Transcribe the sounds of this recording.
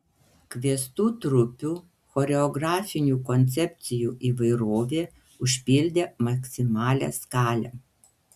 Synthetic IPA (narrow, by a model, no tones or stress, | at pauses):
kʋʲiɛst̪uːt̪ɾʊpʲuː | xɔɾʲɛɔɡɾɑːfʲɪnʲuːkɔnʲt̪sʲɛpʲt̪sʲɪjuːʔiːʋɐɪɾoːʋʲeː | ʊʃʲpʲɪlʲd̪ʲeːmɐksʲɪmɑːlʲɛ̰ːskɑːlʲɛ̰